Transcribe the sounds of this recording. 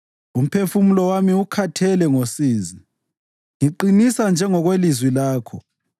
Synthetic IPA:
um̩pʰefumulɔwamiukʰatʰɛlɛŋosiːzi | ŋiǃinisand͡ʒʱɛŋɔɣwelizwilaːkʰɔ

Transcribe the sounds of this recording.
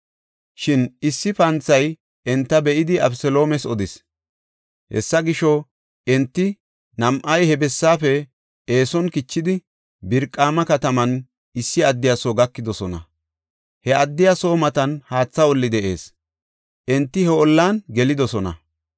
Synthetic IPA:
ʃɪnɪsːɪpɐnt͡sːɐj | ʔɛnt̪ːɐbɛʔɪd̪ɪɐbsɛlo̞ːmɛsɔd̪ɪs | hɛ̰sːɐɡɪʃɔ | ʔɛnt̪ːɪ | nɐmʔɐjhɛbɛsːaːfɛ | eːsɔnkɪt͡ʃːɪd̪ɪ | bɪɾkʼːaːmɐkɐt̪ɐmɐn | ɪsːɪɐd̪ːɪjasoːɡɐkːɪd̪ɔsɔnɐ̰ | hɛʔɐd̪ːɪjaso̞ːmɐt̪ɐnhaːt͡sːɐɔlːɪd̪ɛʔe̞̰ːs | ʔɛnt̪ːɪhɛɔlːaːnɡɛlɪd̪ɔsɔnɐ̰

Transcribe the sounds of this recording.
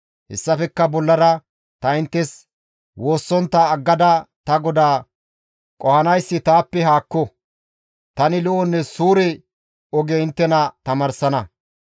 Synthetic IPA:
hɛ̰sːɐfɛkːɐbɔlːɐɾɐ | t̪ɐɪnt̪ːɛs | wo̞ːsːɔnt̪ːɐːɡːɐd̪ɐt̪ɐɡɔd̪aː | kʼɔhɐnɐjsːɪt̪aːpːɛɦaːkːɔ | t̪ɐnɪlʊʔɔnːɛsuːɾɛ | ɔɡɛɪnt̪ːɛnɐt̪ɐmɐɾsɐnɐ

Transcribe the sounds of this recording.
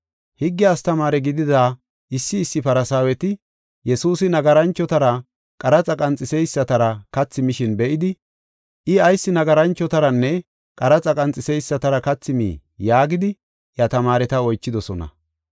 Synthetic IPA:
hɪɡːɪɐst̪ɐmaːɾɛɡɪd̪ɪd̪aː | ʔɪsːɪːsːɪpɐɾɐsaːwɛt̪ɪ | jɛsuːsɪnɐɡɐɾɐnt͡ʃːɔt̪ɐɾɐ | kʼɐɾɐt͡sʼɐkʼɐnt͡sʼːɪsɛjsːɐt̪ɐɾɐkɐt͡sːɪmɪʃɪnbɛʔɪd̪ɪ | ʔɪɐjsːɪnɐɡɐɾɐnt͡ʃːɔt̪ɐɾɐnːɛ | kʼɐɾɐt͡sʼɐkʼɐnt͡sʼɪsɛjsːɐt̪ɐɾɐkɐt͡sːɪmḭː | jaːɡɪd̪ɪ | jɐt̪ɐmaːɾɛt̪ɐɔjt͡ʃːɪd̪ɔsɔnɐ̰

